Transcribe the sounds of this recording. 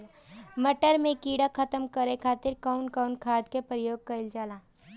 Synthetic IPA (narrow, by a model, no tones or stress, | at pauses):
mɐʈəɾmẽkiːɽakʰɐt̪əmkɐɾekʰaːt̪ɪɾkaʊnkaʊnkʰaːd̪kepɾəjoːɡ̚kɐɪld͡ʒaːlaː